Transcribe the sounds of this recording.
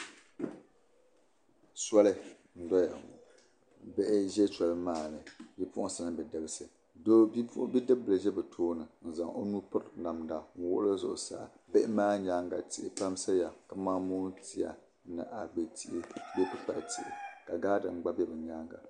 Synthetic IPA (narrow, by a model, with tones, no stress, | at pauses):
sa˦lɨ˦ | n̩˦dɔ˦ja˨ | bɛ˦ʔɪ˦ʒɛ˦t͡ʃa˨lmaː˦˨nɨ˨bi˦pʊ˦ʔʊ˦sa˦nɨ˦bɛ˨dɨ˨bɨ˦sɨ˨ | do˦bbi˦dɨ˦b̚bɨ˨la˨ʒɛ˦bɨ˨tʰoː˦nɨ˨n̩˨za˨ŋo˦nu˦pʊ˦tna˨mda˨ŋ̩˦wʊ˦ʔlɨ˦zʊ̰˨ʔʊ˨sa̰˨bɛ˦ʔɪ˦maː˦ɲaː˦ŋɡa˨ti˨ɪ˨pa˦m˦sa˦ja˨ka˨maː˦mo˦ti˦ja̰˨ | nɨ̰˨ʔa˨ɡ͡bɨ˨ti˦ʔɪ˦bo˦kɨ˦k͡pa̰˨ʔtḭ˨ʔɪ̰˨ka˨ɡaː˦dɨ˨m˦ɡ͡ba˦bɛ˦bɨ˨ɲaː˦ŋɡa̰˨